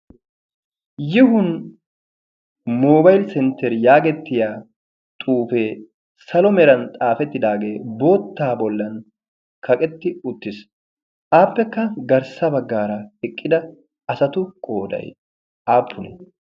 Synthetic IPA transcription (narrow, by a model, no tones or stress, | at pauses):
jɪhʊn | moːbɐjlsɛnt̪ːɛɾjaːɡɛt̪ːɪjaː | t̪ʼuːfeː | sɐlɔmɛɾɐnt̪ʼaːfɛt̪ːɪd̪aːɡe̞ːbo̞ːt̪ːaːbɔlːɐn | kʰɐkʼɛt̪ːɪʊt̪ːɪs | ʔaːpːɛkːɐɡɐɾsɐbɐɡːaːɾɐɛkʼːɪd̪ɐ | ɐsɐt̪ʊkʼo̞ːd̪ɐ̰j | ʔaːpʰːʊnɛ̰